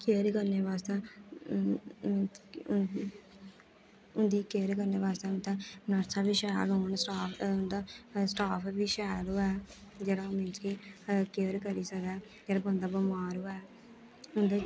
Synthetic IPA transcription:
keːɾkəɾneːʋaːst̪ẽː | ʊnd̪iːkeːɾkəɾneːʋaːst̪eːʊ̃nt̪ɛ̃ːnəɾsʰãːbiːʃɛːlɦoːnsʈaːnd̪aːsʈaːpʰːbiːʃɛːloːɛːd͡ʒeːɽaːmɪ̃nt͡ʃkikeːɾkəɾiːsəkɛː | d͡ʒeːɽbənd̪aːbəmaːɾoːɛː | ʊnd̪eː

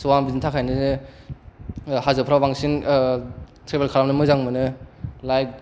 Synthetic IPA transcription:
suwaŋbizintʰakʰajnɯɯ | hazɯpʰɾawbaŋsin | tʰɾebelkʰaɾamnɯmɯzaŋmɯnɯlajk̚

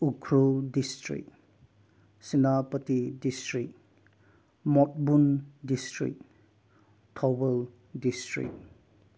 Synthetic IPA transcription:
ukʰɾudistɾḭk | sinapɐtidistɾik | mɔt̚bundistɾḭk̚ | tʰɔbel | distɾḭk

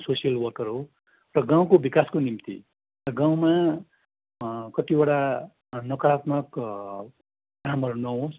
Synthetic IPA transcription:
sosijʌlwʌrkʌɾɦo | rʌɡãw̃kobikaskonimt̪ḭ | rʌɡaw̃ma | kʌt̪ibʌɽa | nʌkʌɾat̪mʌk | ɡramʌɾunʌɦos

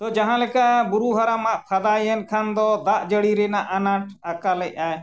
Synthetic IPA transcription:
t̪ɔd͡ʒaɦãlɛkabuɾuɦaɾamaʔpʰad̪ajɛnkʰand̪ɔd̪aʔd͡ʒəɽiɾɛnaʔanaʈakalɛc̚ˀaj

